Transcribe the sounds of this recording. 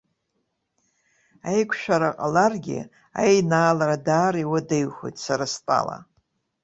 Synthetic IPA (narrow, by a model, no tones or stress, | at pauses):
ajkʷʰʃᶣaɾaqʼalarɡʲɪ̰ | a̰jnaːlaɾadaːɾiwadejχʷo̰jtʼsaɾastʼa̰la̰